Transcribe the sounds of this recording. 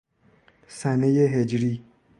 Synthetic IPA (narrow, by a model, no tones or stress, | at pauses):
sanejeɦed͡ʒɾi